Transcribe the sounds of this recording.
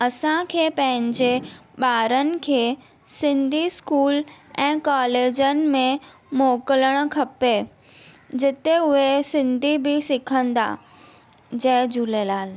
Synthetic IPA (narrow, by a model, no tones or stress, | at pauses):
ɐsãkʰeːpɐ̃ɦɪ̃ɲd͡ʑeɓaːɾənɪ̆kʰeː | sɪ̃nd̪ʱiskuːlɛ̃ːkaːleːd͡ʑənɪ̆mẽ | moːkələɽ̃̆kʰɐpe | d͡ʑɪt̪eʊɦesɪ̃nd̪ʱibɪsɪkʰə̃nd̪a̰ː | d͡ʑɐɦd͡ʑulelaːl